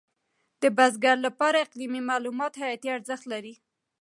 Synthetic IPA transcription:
d̪̥əbazɡaɾlapɑɾaɪqlimimɑlumɑt̪hajat̪iaɾzəxt̪laɾi

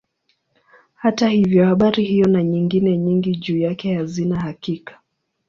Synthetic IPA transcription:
hatahivjɔhaɓaɾihijɔnaɲiŋɡinɛɲiŋɡiʄuːjakɛhazinahakikḁ

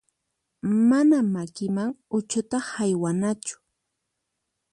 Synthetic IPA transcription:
manamakɪmaŋʊt͡ʃʊt̪ahajwanat͡ʃʊ̥

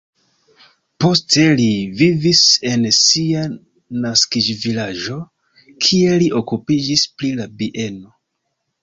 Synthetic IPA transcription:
po̞ste̞livivise̞nsia | naskid͡ʒvilaʒo̞ | kʰie̞liʔo̞kupid͡ʒisplilabiʔe̞no̞

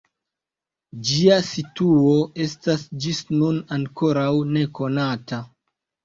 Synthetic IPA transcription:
d͡ʒiasituo̞e̞stasd͡ʒisnunaŋko̞ɾawne̞ko̞nata

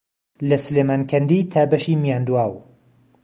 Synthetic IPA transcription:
lɐslemaːnkʰɐnd̪it̪ʰaːbɐʃiːmijaːnd̪uwaːw

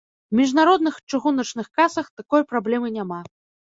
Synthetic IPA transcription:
wmʲiʐnaɾɔd̪nɨxt͡ʂɨɣunɐt͡ʂnɨxkasɐxt̪akɔjpɾablʲɛmɨnʲama

